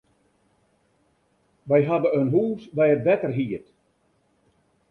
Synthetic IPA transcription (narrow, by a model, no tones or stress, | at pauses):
ʋɛjɦadəənɦuːsbɛjətʋɛtərɦiət